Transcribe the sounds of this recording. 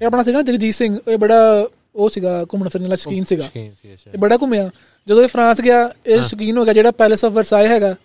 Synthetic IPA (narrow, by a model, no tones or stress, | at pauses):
eːəp̬ɽaːs̬iːɡaːnaːd͡ʒɪɡd͡ʒiːsɪ̃ŋɡeːbəɽaː | oːsiːɡaːkʊmnaːpʰɪɾneːlaːsəkiːnsiːɡaː | eːbəɽaːk̬ʊmeaː | d͡ʒəd̪õːeːpʰɾãːsɡɪaːeːʃək̬iːnɦoːɡejaːd͡ʒeːɽaːpɛːlesɔːpʰʋəɾsaːiɦɛːɡaː